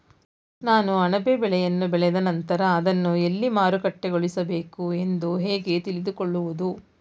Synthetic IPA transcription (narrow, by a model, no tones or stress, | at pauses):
naːnuɐɳɐbebɛɭɛjɐnːubɛɭɛd̪ɐnɐnt̪ɐɾɐːd̪ɐnːue̞lːimaːɾukɐʈːeɡoɭisɐbe̞ːkue̞nd̪uɦeːɡe̞t̪iɭid̪ukoɭːuʋud̪u